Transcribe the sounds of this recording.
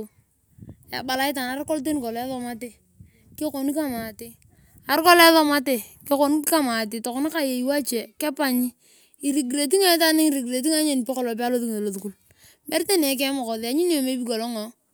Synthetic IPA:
ja̰˨ba˨la˦ɪ˦ta˨na˨˦ɾko˦lt̬e˦n˨kɔ˨lɛ˦ðɔ˦ma˦te˦˨ | kɪ˦ko˨ni˦ka˦ma˨tɪ˦ | a˨ɾkɔ˦lɛ˦ðɔ˦ma˦te˨ | kɪ˦ko˨ni˦ka˦ma˨t̬ɪ˨tɔ˨kʊ˨˦na˦ka˦je˨i˦wa˦t͡ʃɛ˨kɛ˦pa˨ɲi˦ | i˨ɾi˨ɡi˨ɾe˨t̬i˦ŋe˦ta˦nɪ˦ŋi˨ɾi˨ɡɾe˨t̬i˦ŋa˦ɲe˦˨ni˨pɛ˦kɔ˨lɔ˨p̬a˦lo˦ðu˦ke˨lo˨ðu˨ku˨l | bɛ˦ɾte˦ne˨˦k̬ɛ˦mʊ˨ko˨ðɪ˨a˨ɲi˦n˦o˨me˦bi˦ko˨lɔ˦ŋo˨

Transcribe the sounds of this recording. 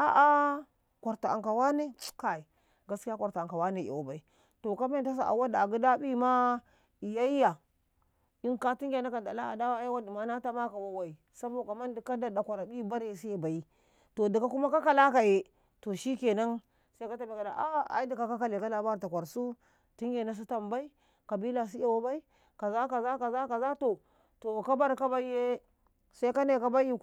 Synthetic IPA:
a˦ʔa˦ | kʷa˨ɾta˨a̰˨ŋka˨wa˦ne˦ka˦i˨ | ɡa˦ski˦ja˦kʷa˨ɾta˨a˨ŋka˨wa˦ne˨ḛ˨wa˨ba˨i˨ | to˨ka˦me˦˨ta˦s̬a˨ʔa̰˨wa˦da˨a˨ɡu˦da˦bi˦ma˦ | i˨ja˦i˦ja˨ | i˦nka˦ti˦ŋɡʲa˨na˦ka˨nda˨la˦a̰˨da˦wa˦a˦wa˦di˨ma˦na˦ta˦ma˦ka˨wa˦wa˨i˨ | sa˦bo˦˨ka˨ma˦ndi˨ka˦da˨da˨kʷa˨ɾa˨bi˦ba˦ɾe˦˨sa˦i˦ba˨i˦ | to˨di˨ka˦ku˦ma˦ka˦ka˨la˦ka˨je˨ | to˨ʃi˦ke˨na˦n | sa˦i˦ka˦ta˨bi˨ka˨da̰˨ʔa˦a̰˦i˦di˨ka˨ka˦ka˨le˨ka˦la˨ba˦ɾta˨kʷa˨ɾsu˦ | ti˦ŋɡe˨na˦s̬i˦ta˨mba˦i˦ | ka˨bi˦la˨s̬i˦ja˨wa˦ba˦i˦ | ka˨za˦ka˨za˦ka˨za˦ka˨za˦to˨ | to˨ka˦ba˦ɾka˦ba˦i˦je˦ | sa˦i˦ka˦ne˨ka˦ba˦ji˦

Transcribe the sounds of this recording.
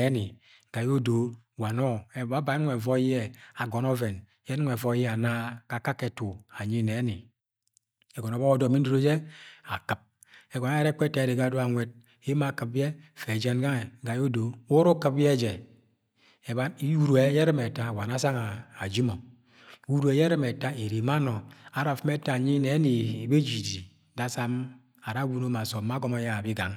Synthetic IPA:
e˨˦ni˨ | ɡ̥a˨ji˦o˦do˨˦ | wa˨nɔ˦ɛ˨ba˦ba˨˦n˦ɛ˨vɔ˦jɛ˦a˨ɡɔ˨nɔ˦vɛ˨n | jɛ˦n˦ŋ˨e˨vɔ˦jɛ˦a˨na˦ka˨ka˦ke˨tu˨a˨ɲi˦ne˨˦ni˨ | ɛ˨ɡɔ˨nɔ˨bɔ˦o˦do˨mi˦n˦do˦ɾo˦d͡ʒɛ˦a̰˨kɨ˨p̚ | ɛ˨ɡɔ˨na˦je˦ɾe˦k͡pe˦tːe˨ɾe˨ɡa˦du˦a˨ŋʷe˦d̚ | i˦ma˦˨kɨ˨p̚ɛ˦fe˨d͡ʒe˦nɡa˦ŋe˨ɡa˨jo˦do˨˦wo˦ɾo˦kɨ˦p̚bje˦d͡ʒe˨ | e˨ba˦i˦ju˦˨ɾu˨e˨˦je˦ɾɨ˦me˨ta˦˨wa˨na˦sa˦ŋaː˨d͡ʒi˦mo˨˦ | wu˦ɾu˨e˨je˦ɾɨ˦me˨ta˦e˨ɾi˨ma˦no˨a˨ɾa˨fi˦m˦e˦ta˦˨ɲi˦ne˨˦ni˨be˦d͡ʒi˨di˨˦ | da˦sa˦m | a˨ɾa˦wu˦no˦ma˨so˨˦ma˦ɡɔ˦mo˦ja˦˨bi˦ɡa˨ŋ

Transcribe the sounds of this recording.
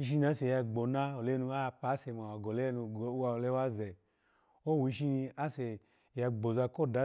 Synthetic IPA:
i˧ʃ̬i˦n˨a˨˦se˨ja˧ɡ͡bo˨na˦o˨le˦nu˧a˦˧pa˨˦se˧˨m˨a˨a˨ɡo˨le˦nu˧˨˦a˧˨le˦wa˦ze˨ | o˦˨wu˨i˧˦ʃi˧ni˧a˦se˨ | ja˧ɡ͡bo˨za˧ko˦˨da˨˦

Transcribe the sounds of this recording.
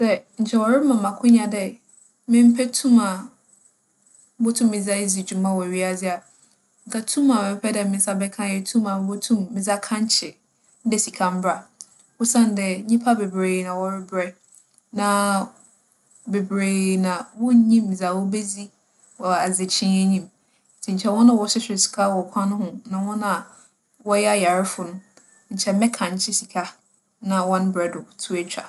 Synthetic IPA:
sɛ˦ɲ̩˨t͡ɕʰɛ˨wɔ˨ɾɪ˦mã˨mã˨kʰʊ˦ɲã˨dɛ˨ | mɪ̃˦m̩˦pʰɛ˦tʰũ˦mã˨˦ | bo˦tʰũ˦mːɪ̃˨za˦e˦zi˨d͡ʑũ˨mã˦wɔ˨ɥi˦a˨d͡zɪ˦a˨ | ŋ̩˨kʰa˨tʰũ˦mã˨ɛ̃˦m˦pʰɛ˦dɛ˨mɪ̃˦sa˦bɛ˦kʰã˦jɛ˨tʰũ˦mã˨˦bo˦tʰũ˦mːɪ̃˨za˦kʰã˦ɲ˦t͡ɕʰɪ˨ | n̩˦dɛ˨si˨kʰã˨m̩˦bɾa˨ | wʊ˦sã˦˨n˨dɛ˨ɲĩ˦pʰa˦bɛ˨bɾeː˨nã˨wɔ˨ɾɪ˦bɾɛ˦ | nã˨ | be˨bɾeː˨nã˨wʊ˦ɲĩ˦m˨d͡za˨wɔ˦be˦d͡zi˦ | wɔ˨a˨ze˨t͡ɕʰɪ̃˦nɛ˦ɲĩ˦m̩˨ | tʰi˨ɲ̩˨t͡ɕʰɛ˦wɔ̃˦nã˨wɔ˦sʊ˦sɪ˨si̥˨kʰa˦wɔ˨kʷʰã˦nʊ̃˦hʊ̃˨nã˨wɔ̃˦nã˦˨ | wɔ˦jɛ˦a˦ja˨ɾɪ˦fʊ˨nʊ̃˦ | ɲ̩˨t͡ɕʰɛ˨˦mɛ̃˦kʰã˨ɲ˦t͡ɕʰɪ˦si˨kʰa˦ | nã˨wɔ̃˦n˦bɾɛ˨dʊ˨tʰu˦e˦t͡ɕʰᶣa̰˨

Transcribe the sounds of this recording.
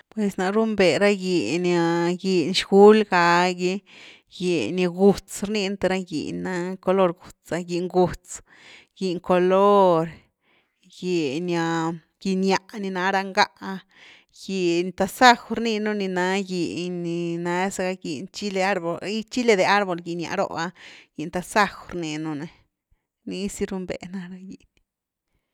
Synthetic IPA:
pwe˨sna˧ɾu˦mbe˨ɾa˦ɡi˨na˧ɡi˨nʃɡ̥u˦lɡa˧ɡi˧ | ji˨ni˧ɡu˨t͡sɾni˧nt̪e˧ɾa˦ɡḭ˨na˧˦ko˧lo˦˧ɾɡu˨t͡sa˧ɡi˨ŋɡu˨t͡s | ɡ̥i˨ŋko˨lo˦ɾ | ɡi˨nja˧ | ɡi˨nja˧˨ʔni˧na˧ɾa˧ŋɡa˦ʔa˧ | ji˨nt̪a˧sa˦˧xɾni˧nu˧ni˧na˧ɡi˨ɲi˨na˧˦e˦sa˧ɡa˧ɡi˨nt͡ʃi˦le˧a˦ɾbo˨li˦t͡ʃi˦le˧d̪e˧a˦ɾbo˨lɡi˧˨nja̰˧ɾo̰˦˧a˧ji˨nt̪a˧sa˦˧xɾni˧nu˧ne˨˧ | ni˧˦si˦ɾu˧mbḛ˨na˧˦ɾa˧jḭ˨n

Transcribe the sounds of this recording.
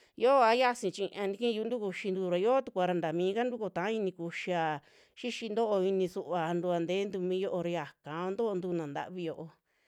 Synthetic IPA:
jo˦˧a˧˦ja˦sĩ˧t͡ʃĩ˧ʔã˧nĩ˦˧ĩ˦˧u˧˦nd̪u˦ku˧ʃi˧nd̪u˧ɾa˨jo˦t̪u˧kʷa˧ɾa˧nd̪a˨mĩː˨˧ka˦nd̪u˦ko˧t̪ã˨˦i˧nĩ˧ku˧ʃi˧a˨ | ʃi˦ʃi˧nd̪o˦ʔo˧i˧nĩ˧su˧ʔβa˨˧nd̪u˧a˧nd̪e˨˦nd̪u˧mĩ˧˦jo˦ʔo˧ɾi˧a˨kã˨õ˧nd̪o˦ʔnd̪uː˧nã˨nd̪a̰˧ʔβi˧jo˧ʔo˧

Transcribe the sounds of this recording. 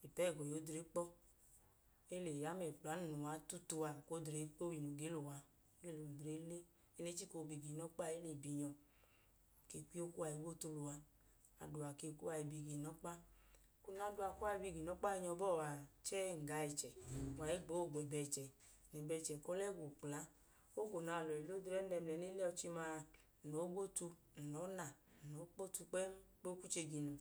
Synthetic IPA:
i˨pɛ˦˨ɡɔ˨jo˨˦dɾe˨˦k͡pɔ˦ | e˦le˨ja˨˦mɛ˨k͡pa˨˦n˦nu˨a˨˦tu˦tu˧a˨ko˦dɾe˨˦k͡po˦wi˨no˨ɡe˨˦lo˨wa˧˦ | e˦lo˨dɾe˨˦le˦ | e˦ne˨˦t͡ʃi˦ko˧˨bi˨ɡi˨nɔ˦k͡pa˦˨e˦le˨bi˨ɲɔ˧ | ke˧˨kʷi˦o˦ku˦a˨i˨˦wo˦tu˧lu˨wa˧ | a̰˨du˨a˨ke˧˨ku˦a˧i˧˨bi˨ɡe˨nɔ˨˦k͡pa˦ | ku˦na˨˦du˧˦a˧ku˦a˧i˧bi˧ɡi˨nɔ˨˦k͡pa˦i˧ɲɔ˧˦bɔ˦˨wa˨t͡ʃɛ˦˨ŋ̩˨ɡa˧i˧t͡ʃɛ˨wa˨e˦ɡ͡bo˨˦˨ɡ͡bɛ˨bɛ˧˨t͡ʃɛ˨ | nɛ˨bɛ˧˨t͡ʃɛ˨kɔ˦lɛ˦ɡʷu˨k͡pla˨˦ | o˦ɡo˨na˨˧˨lɔ˨i˨lo˦dɾɛ˦ɛ˧m˨ɛ˨˦ni˦lɛ˦ɔ˧t͡ʃi˧ma˧˨ | no˨˦ɡo˦tu˧˨ | nɔ˨˦na˨ | nɔ˨˦k͡po˦tu˧k͡pɛ˦k͡po˦ku˦t͡ʃe˧ɡi˧nu˧

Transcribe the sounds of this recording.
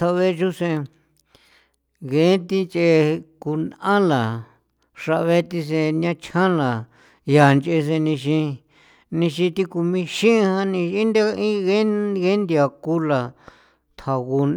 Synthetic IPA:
t̪ʰa˧βe˦t͡ʃu˦sẽ˧ | ɣe˨˦t̪i˧nt͡ʃe˧ku˧nã˦la˨ | ʂa˧ʔβe˦t̪i˧s̬ẽ˧nã˦t͡ʃʰã˦la˨ | ja˨nt͡ʃe˧s̬e˧nĩ˧ʃ̬ĩ˧ | nĩ˧ʃĩ˧t̪i˧ku˧mĩ˧ʃĩ˦˧hã˦nĩ˧ĩ˦nd̪e˦ĩ˦ɣe˦ɣe˦nd̪i˧a˨ku˧la˨ | t̪ʰa˨ɣu˧n

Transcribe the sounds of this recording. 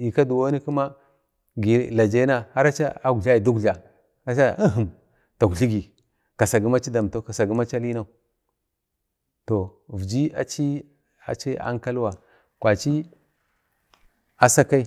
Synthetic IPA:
i˨ka˦du˨wo˦ni˦ku˦ma˦ | ɡi˨la˨d͡ʒa˦na˦ha˦ɾa˦t͡ʃa̰˦a˦ɡu˨ɮa˦i˨du˦ɡu˨a˨ | a˦t͡ʃa˦ə˦ɦu˨m | ta˨ɡu˨ɬi˦ɡi˨ | ka˨sa˨ɡi˦ma˦t͡ʃi˦da˨m˨to˦ka˨sa˨ɡi˦ma˦t͡ʃa˦li˦na˦u˨ | to˨vi˨d͡ʒi˦a˨t͡ʃi˦ | a̰˨t͡ʃi˦a̰˦ŋka˦lwa˨ | kʷa˨t͡ʃi˦ | a˨sa˦ka˦i˦

